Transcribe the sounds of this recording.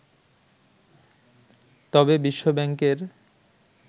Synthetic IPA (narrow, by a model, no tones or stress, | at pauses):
t̪ɔbebiʃːobɛŋkeɾ